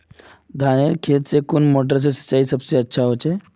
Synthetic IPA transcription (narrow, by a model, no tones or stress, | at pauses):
d̪ʱaneɾkʰet̪̚t͡sekunmoʈ̬əɾt͡sesə̥t͡ɕːaiːsəbseətːɕʰaɦot͡ɕe